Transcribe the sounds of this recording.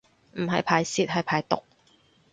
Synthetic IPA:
m̩˨˩hɐ̰˨jpʰaː˨˩jsiː˧˥t̚hɐ˨jpʰaː˨˥jt̪ʊ̰˨k̚

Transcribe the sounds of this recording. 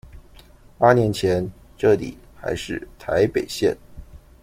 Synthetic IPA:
pa˥njɛ˧˥nt͡ɕʰjɛ˧˥n | ʈ͡ʂɤ˥˩t̪ḭ˨˩˦ | xa̰˧˥ɪʂɻ̩˥˩t̪ʰa˧˥ɪpe˨˩ɪɕjɛ̰˥˩n

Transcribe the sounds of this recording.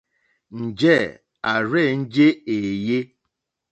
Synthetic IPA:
n̩˨d͡ʒe˦˨ | a˨ɾe˦˨n̩˦d͡ʒe˦e˨je˦

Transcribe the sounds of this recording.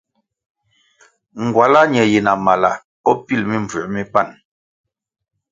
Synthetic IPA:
ŋ̩˨ɡwa˨la˦ɲɛ˨je˨na˨ma˨la˨ | ɔ˦pi˦˨lmi˦ɱvə˨ʔmi˦pa˦˨n

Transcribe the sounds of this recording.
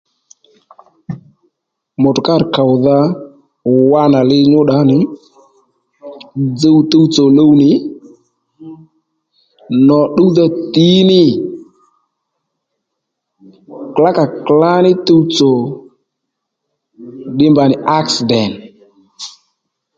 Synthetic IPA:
mɔ˨tʊ˨ka˦˨ɾka˨ʊ˨ða˦˨ | wa˦na˨lɪ˦ɲʊ˦ɗa˨˦nɪ˨ | d͡zə˦wto˦wt͡so˨lo˦wnɪ˨ | nɔ˨ɗu˦ða˦˧ti˨˦nɪ˦ | kla˦ka˨kla˦nɪ˦to˦wt͡so˨ | dɪ˦mba˨nɪ˨ʔa˦ksɪ˨dɛ˨n

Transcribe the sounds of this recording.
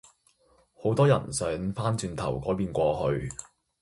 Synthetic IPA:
ho˨˥wt̪ɔː˥jɐ̰˨˩nsœː˨˥ŋfaː˥nt͡ʃyː˧nt̪ʰɐ̰˨˩wkɔː˨˥jpiː˧nkʷɔː˧hɵ˧ɥ

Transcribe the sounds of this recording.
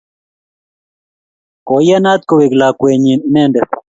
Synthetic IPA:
kɔ˨ja˦na˦t̪̚ko˨we˨kla˨kwɛ˨ɲi˨nɛ˦˨ndɛ˨

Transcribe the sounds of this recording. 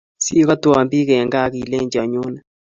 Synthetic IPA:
si˦ka˦twa˨mbi˦kɛ˨ŋɡa˦˨˦ki˨le˦ɲd͡ʒa˨ɲo˦na˨

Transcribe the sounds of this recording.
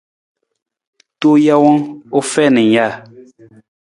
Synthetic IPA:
to˦ja˦wɔ˦o˦fɛ˦˨nɛ̃˨ja˦˨

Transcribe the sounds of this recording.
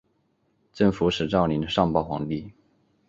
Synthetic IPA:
ʈ͡ʂə˥˩ŋfu˧˥ʂɻ̩˨˩ʈ͡ʂɑ˥˩ʊli˧˥nd̪ə˧ʂɑ˥˧ŋpɑ˥˩ʊxwɑ̰˧˥ŋp̪i˥˩

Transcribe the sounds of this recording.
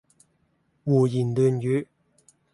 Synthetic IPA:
wuː˨˩jiː˨˩nlyː˨njyː˨˥˦

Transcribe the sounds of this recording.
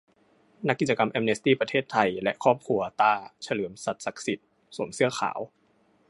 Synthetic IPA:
na˦˥kːi˨˩t͡ɕa˧ka˧mʔɛ˧mne˦˥st̪iː˥˩pɾa˧t̪ʰeː˥˩t̪ʰːa˧jlɛ˦˥ʔkʰɔː˥˩p̚kʰu˧ɐt̪aː˧˩t͡ɕʰa˧lɯː˩˦əmsa˨˩t̪̚sa˨˩k̚si˨˩t̪̚ | su˩˦msɯ˥˩ɐəxʰa̰ː˩˦w

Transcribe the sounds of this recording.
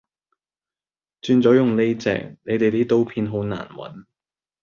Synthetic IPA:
t͡ʃyː˧nt͡sɔː˨˥jʊ˨ŋle˥jt͡sɛ̰ː˨˩ŋ̚ne˨˧jt̪e˨jt̪iː˥t̪o˥wpʰiː˧nɦo˨˥na̰ː˨˩nwɐ̰˨˥n

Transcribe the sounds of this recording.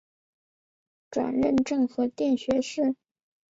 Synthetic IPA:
ʈ͡ʂwa̰˨˩nɻə˥˧nʈ͡ʂɤ˥˩ŋxɤ˧˥t̪jɛ˥˩nɕɥɛ˧˥ʂɻ̩˥˩

